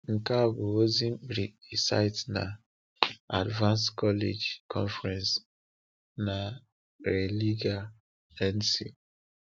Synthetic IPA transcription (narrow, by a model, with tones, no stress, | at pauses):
ŋ̩˨ka˦˨bu˨o˦zĩ˦bɾi˨i˨sa̰˦ɪ˦tna̰˨ | a˨dvã˦nskɔ˦le˨d͡ʒkʰɔ̰̃˦nfɾɛ̃˨ns | na˨ | ɾe˨li˦ɡa˦ | ɛ˦nsḭ˨